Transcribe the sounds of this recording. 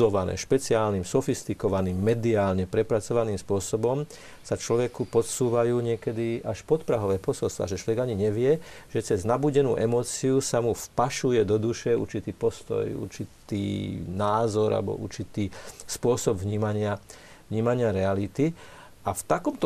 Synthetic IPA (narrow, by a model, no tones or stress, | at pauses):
ɔʋanɛ̰ːʃpɛt͡siaːlniːmsɔfist̪ikɔʋaniːmːɛd̪iaːlɲɛpɾɛpɾat͡sɔʋaniːmspʊɔsɔbɔm | sat͡ʃlɔʋɛkupɔt̪suːʋajuːɲɪɛkɛd̪iʔaʃpɔt̪pɾaɦɔʋɛːpɔsɔlst̪ʋa̰ʒɛt͡ʃlɔʋɛɡaɲiɲɛʋɪɛʒɛt͡sɛznabuːɟɛnuːʔɛmɔːt͡siusamufpaʃujɛd̪ɔd̪uʃɛṵɾt͡ʃit̪iːpɔst̪ɔ̰jṵɾt͡ʃit̪ḭːnaːzɔɾa̰bɔ̰ʔṵɾt͡ʃit̪iːspʊɔsɔbvɲiːmaɲɪa | ʋɲiːmaɲɪaɾɛalit̪i | ʔaft̪akɔmt̪ɔ